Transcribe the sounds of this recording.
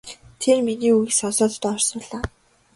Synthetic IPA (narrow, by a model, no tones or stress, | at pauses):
t̪ʰermeniːujiksɔnsɔːt̪t̪ɔːɔrsɞɔɮaː